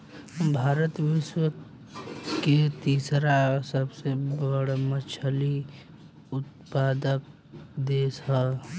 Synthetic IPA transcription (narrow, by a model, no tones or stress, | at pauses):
bʱaːɾət̪ʋɪʃwə | ket̪iːsɾasəbsebəɽmət͡ʃʰəli | ʊt̪̚paːd̪ək̚ | d̪eːsɦəː